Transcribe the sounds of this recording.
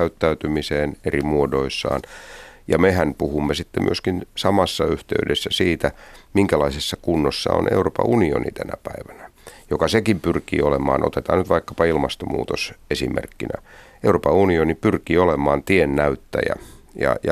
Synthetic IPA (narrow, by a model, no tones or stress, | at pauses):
æyt̪ːæyt̪ymiseːnerimuodoisːɑ̰ːnjɑmehænpuhumːesit̪ːemy̰øskinsɑmɑsːɑyht̪ḛydesːæsiːt̪æmiŋkælɑisesːɑkunːosːɑ̰o̰nḛuroːpɑ̰ʔunio̰nḭt̪ænæpæiʋænæjokɑsekimpyrkḭːolemɑːno̰t̪et̪ɑːnyt̪ʋɑikːɑ̥pɑilmɑst̪omṵːt̪osesimḛrkːinæ̰ | europɑunionipyrkiːolemɑːnt̪ienːæyt̪ːæjæ̰jɑ̰jɑ